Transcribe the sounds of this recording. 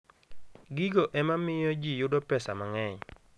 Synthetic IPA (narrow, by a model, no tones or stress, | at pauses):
ɡiɡoʔɛmamɪjɔd͡ʒijʊdɔpɛsamaŋɛɲ